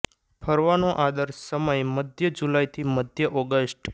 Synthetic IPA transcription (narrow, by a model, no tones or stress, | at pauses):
pʰəɾʋanoʔad̪əɾsəməjməd̪ʱjəd͡ʒulajt̪ʰiməd̪ʱjəʔɔɡəsʈ